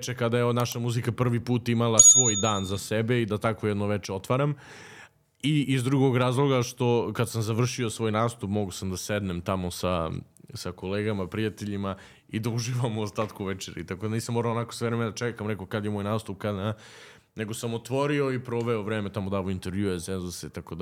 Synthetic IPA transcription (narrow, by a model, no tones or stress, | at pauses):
t͡ʃekad̪ajeod̪naʃamuzikapr̩ʋipuːt̪imalˠasʋo̞ːjd̪aːnzasebeid̪at̪akʋojd̪noʋet͡ʃeot̪ʋaɾam | iizd̪ɾuɡo̞ɡɾaːzlˠo̞ɡaʃt̪o̞kad̪samzaʋr̩ʃiosʋo̞ːjnaːst̪upmoɡosamd̪ased̪nemt̪amosasako̞leːɡamapɾijat̪eʎima | id̪auʒiʋamuost̪aːt̪kuʋet͡ʃeɾḭt̪akod̪aniːsamːoɾaonakosʋeʋɾemed̪at͡ʃekamɾɛkokad̪jemo̞jnaːst̪up̚kad̪ | ne̞ɡosamot̪ʋo̞ɾio̞ipɾo̞ʋeoʋɾeːmet̪amod̪aːʋoint̪eɾʋjuesenzuseit̪akod̪a